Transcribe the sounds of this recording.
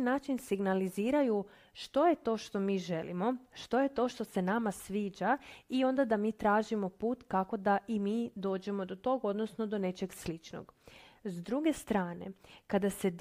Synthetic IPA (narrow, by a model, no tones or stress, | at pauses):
naːt͡ʃinsiɡnaliziːɾaju | ʃt̪o̞je̞t̪o̞ːʃt̪o̞miːʒe̞lḭmo̞ʃt̪o̞je̞t̪o̞ːʃt̪o̞se̞namasʋiːd͡ʒaio̞nd̪ad̪amiːt̪ɾaːʒimo̞puːt̪kako̞d̪aʔimiːd̪o̞ːd͡ʑe̞mo̞d̪o̞t̪o̞ɡo̞d̪nosno̞d̪o̞ne̞t͡ʃe̞ɡslit͡ʃno̰ɡzd̪ɾuɡe̞st̪ɾaːne̞̰kad̪ase̞d̪